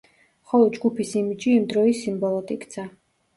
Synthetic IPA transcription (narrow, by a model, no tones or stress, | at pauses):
χɔlˠɔd̪̚d͡ʒɡupʰisimid͡ʒiːmd̪ɾɔisimbɔlˠɔt̪ʼikt̪sʰa